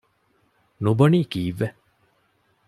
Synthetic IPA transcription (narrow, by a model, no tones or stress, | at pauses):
nubɐniːkiːʋːe